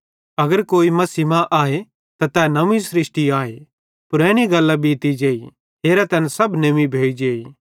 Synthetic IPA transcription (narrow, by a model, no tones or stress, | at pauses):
ɐɡəɾkoːimɐsimãʔaːe | t̪at̪ɛnɐmĩsɾɪsʈiaːe | pʊɾɛ̃ːɽ̃iɡɐlːabiːt̪id͡ʒeːi | ɦeːɾat̪ɐnsɐbnɐmibʱeːid͡ʒeːi